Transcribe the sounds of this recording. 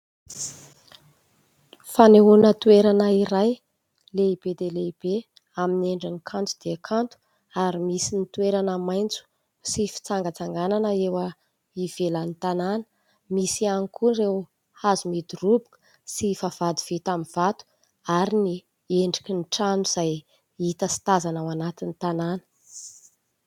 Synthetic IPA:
faneɦunət̪ueɾanəiɾaj | leib̥ed̪eleib̥e | amineɳɖ͡ʐənikʰant̪ud̪̥iakʰant̪u̥ | aɾimisinit̪ueɾanəmajnt͡su̥ | sifi̥t͡saŋɡət͡saŋɡananəewə | iv̥elanit̪ananə̥ | misianikʰurew | azumid̪urubu̥kə̥ | sifav̥ad̪uv̥it̪amiv̥at̪u̥ | aɾini | eɳɖ͡ʐi̥kiniʈ͡ʂanuz̥aj | it̪əsi̥t̪azanawanat̪init̪ananə̥

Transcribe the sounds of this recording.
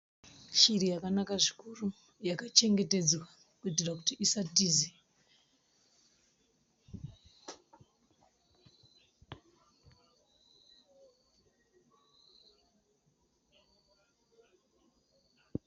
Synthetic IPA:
ʃiɾijakanakaʐikuru | jakat͡ʃe̞ŋɡe̞te̞d͡zwa | kuitirakutiisatiːze

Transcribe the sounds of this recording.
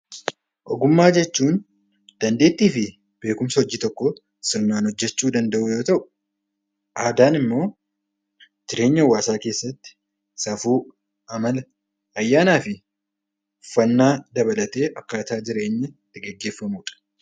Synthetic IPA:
ʔɔɡʊmːaːd͡ʒɛt͡ʃːuːn | d̪̥ɐnd̪e̞ːt̪ːiːfɪ | b̥e̞ːkʊmsɐhɔd͡ʒːiːt̪ɔkːɔ | sɪɾnaːnhɔd͡ʒːɛt͡ʃːuːd̪ɐnd̪ɐʔuːjo̞ːt̪ɐʔʊ̥ | ʔaːd̪aːnɪmːo̞ː | t̪ɪɾe̞ːɲːɐwːaːsaːke̞ːsːɐt̪ːɪ̥ | sɐfuː | ʔɐmɐlɐ | ɐjːaːnaːfɪ | ʊfːɐnːaːd̪ɐβɐlɐt̪e̞ːʔɐkːaːt̪aːd͡ʒɪɾe̞ːɲːɛt̪ːɪɡɛɡːeːfːɐmuːᶑɐ̥

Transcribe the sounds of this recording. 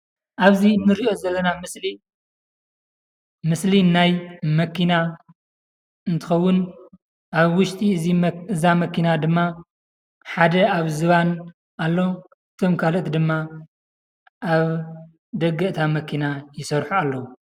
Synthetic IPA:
ʔaβzinɨɾiʔo̞zɐlːɐnamɨsli | mɨslinajmɐkʰina | ɨnt̪ʰɨ̥xɐwːʊn | ʔaβwʊʃt̪ʼiɨziɨzamɐkinad̪ɨmːa | ħad̪ɐaβzɨβan | ʔalːo | ɨt̪ʰo̞mkʰaloʔt̪d̪ɨmːa | ʔaβ | d̪ɐɡːɐʔt̪ʰamɐkʰinajɪsɐɾħualːɐwu

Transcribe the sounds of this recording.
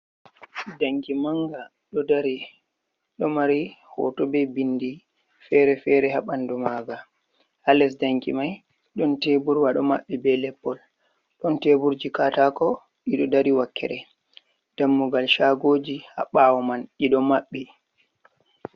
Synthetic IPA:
daŋkimaŋɡa | ɗɔdaɾi | ɗɔmaɾihɔ̰tɔbɛbindi | fɛɾɛfɛɾɛhaɓandumaɡa | ʔalɛs̬daŋkḭmaj | ɗɔntebuɾwaɗɔmaɓːibɛlɛpːɔl | ɗɔntebuɾd͡ʒikatakɔ | ɗiɗɔdaɾiwakːɛ̰ɾɛ | d̥amːuɡalʃaːɡoːd͡ʒiha̰ɓawɔmanɗiɗɔmaɓːi

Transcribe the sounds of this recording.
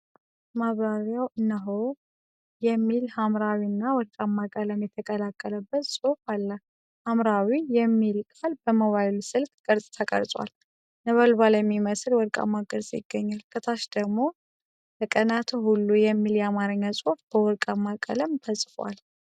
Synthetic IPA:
maβɾaɾjawʔɨnːəɦo | jɛmːilhamɾawinːawɔɾkʼamːakʼələmjɛt̪ʰəkʼəlakʼːələbːət̪sʼofalːə | hamɾawijɛmːilkʼalbəmoβajlusɨlkʼkʼəɾsʼt̪ʰəkʼə̰ɾsʼwa̰l | nəβəlbaljɛmːiməslwɔɾkʼa̰mːaɡʼəɾsʼjɪ̰ɡːəɲːalkʰʼət̪ʰaʃd̪əɡmo̞ | ləkʼənat̪ʰuhulːujɛmːiljɛamaɾəɲːasʼofb̥əwɔɾkʼamːakʼə̰ləmfʰəsʼfwa̰l

